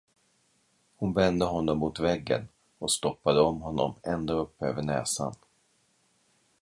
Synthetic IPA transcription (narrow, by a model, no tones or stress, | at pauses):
hʊnvɛnd̪əɦɔnːɔmːut̪vɛɡːə̰n | ɔkst̪ɔpːad̪əɔmɦɔnːɔ̰mɛnd̪oɵpːøːvəɳɛ̰ːsa̰n